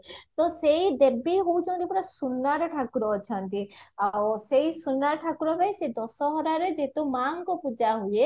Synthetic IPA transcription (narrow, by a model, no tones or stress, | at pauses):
t̪ɔsejd̪ebiɦout͡ʃʰɔ̃nt̪ipɔɾasunːaɾʈʰakɾɔːt͡ʃʰɔnt̪iawsejsunːaɾʈʰakɾɔbajsed̪ɔsɔɦɔɾaɾed͡ʒet̪umaŋkɔpud͡ʒaɦuje